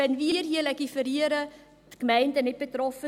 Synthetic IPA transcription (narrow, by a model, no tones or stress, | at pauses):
ɛnviərɦiəlɛkifəɾiəɾə | dɡ̥əmɛɪndənɪt̚b̥ətrɔfə